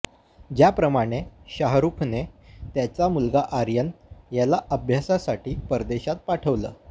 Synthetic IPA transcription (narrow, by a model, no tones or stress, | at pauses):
d͡ʑjapɾəmaɽ̃eɕaɦɾukʰnet̪jat͡samulɡaʔaɾjənjalaʔəbʱjasasaʈiːpəɾd̪eɕat̪̚paʈʰəʋlə̰ː